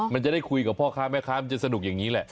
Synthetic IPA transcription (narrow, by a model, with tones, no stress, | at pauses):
ma˧nt͡ɕa˨˩da˥˩jkʰu˧jka˨˩pʰɔː˥˩kʰaː˦˥mɛː˥˩kʰaː˦˥ma˧t͡ɕa˨˩sa˧n˨˩k̚ja˨˩ŋːiː˦˥lɛ˨˩